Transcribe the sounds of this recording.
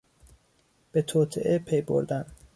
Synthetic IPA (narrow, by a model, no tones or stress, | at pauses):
b̥e̞t̪ʰoːt̪ʰḛʔepʰejbo̰ɾd̪æn